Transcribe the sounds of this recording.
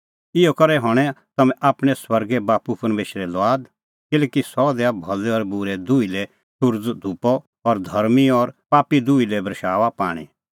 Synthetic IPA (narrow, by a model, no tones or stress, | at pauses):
ɪjɔkɐɾɛɦɔɽ̃ɛ̃t̪ɐmɛ̃ʔaːpɽ̃ɛswɐɾɡɛbaːpupɐɾmeːʃɾɛlʋaːd̪ | kɪlɛːkisɔd̪ɛabʱɐlɔɾbʊɾɛd̪ʊːilɛ | sʊɾd͡zd̪ʱupɔ | ɔɾd̪ʱɐɾmiɔɾpaːpid̪uːilɛbɾɐʃaːʋapa̰ːɽ̃ḭ